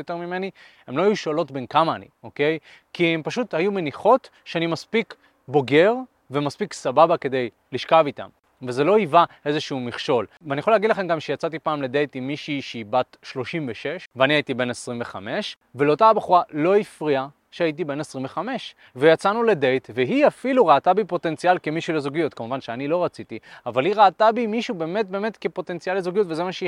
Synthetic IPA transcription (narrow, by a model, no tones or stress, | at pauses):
jote̞ʁmime̞ni | emloajuʃolo̞tbe̞nkamaːnḭo̞ke̞j | kiempaʃuthajume̞niχo̞t | ʃeanimaspik | bo̞ɡe̞ʁ | ve̞maspiksababake̞d̪e̞j | liʃkavita̰m | veze̞lo̞ivae̞zeʃuumiχʃo̞lveanijaχolaːɡidlaχe̞mɡamʃejat͡sat̬ipaːmlede̞jtimːiʃiʃeibatʃlo̞ʃimveʃe̞ʃveanihaitibe̞nesʁimve̞χame̞ʃ | ve̞leo̞taabeχuʁalo̞ifʁia | ʃeait̬ibe̞nesʁimve̞χame̞ʃ | vejat͡sanule̞de̞jtveɦiafiluʁaːtabipo̞te̞nt͡sialkemiʃulezuɡijutkamuvanʃeanilo̞ʁat͡sitiavaliʁaːtabimiʃube̞ːme̞t̚be̞ːme̞tkepo̞te̞nt͡sijalezoɡijutvezemaʃe